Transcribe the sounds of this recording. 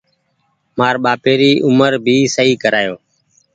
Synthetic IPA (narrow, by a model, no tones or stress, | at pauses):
maːɾɓaːpeːɾiːʔʊməɾbʱiːsəiːkəɾaːjoː